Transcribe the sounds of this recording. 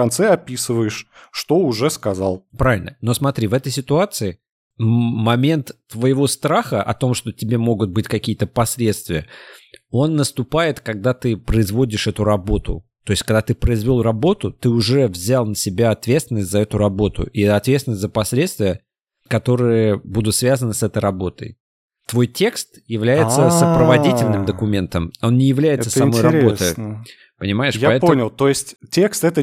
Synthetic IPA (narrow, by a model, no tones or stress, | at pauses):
kɐnt̪sɛɐpʲisɨvəjɪʂʂt̪oʊʐɛskɐzalˠpɾavʲɪlʲnəno̞smɐt̪ɾʲivɛt̪əjsʲɪt̪ʊat̪sɨɪ | mɐmʲe̞nt̪ːvəɪvo̞st̪ɾaxəʔɐ̰t̪o̞mʂt̪o̞tʲɪbʲe̞mo̞ɡʊt̪̚bɨtʲkɐkʲijət̪əpɐsʲlʲe̞t̪st̪vʲɪjə | o̞nːəst̪ʊpajɪt̪kɐɡ̚d̪at̪ɨpɾəɪzvo̞dʲɪʂɛt̪ʊɾɐbo̞t̪ʊ̰ | t̪o̞jɪsʲkɐɡd̪at̪ɨpɾəɪzvʲolˠrɐbo̞t̪ʊt̪ɨʊʐɛvzʲalˠnəsʲɪbʲaɐt̪vʲet̪st̪vʲɪnəsʲtʲzɐɛt̪ʊɾɐbo̞t̪ʊ̰ʔiɛt̪ɐt̪vʲet̪svɪnsʲt̪ʲzəpɐsʲlʲet̪st̪vʲɪjə | kɐt̪o̞ɾɨjəbud̪ʊt̪svʲazənɨsɛt̪əjɾɐbo̞t̪ə̰j | t̪vo̞jtʲe̞kst̪jɪvlʲæjɪt̪səsəpɾəvɐtdʲitʲɪlʲnɨmd̪əkʊmʲe̞nt̪əmo̞nnʲɪjɪvlʲæjɪtsə̥sɐmojɾɐɾbbo̞əj | pənʲɪmajɪʂjaɐɛtp̪onʲɪlˠt̪ojɪsʲtʲtʲekst̪ɛt̪ə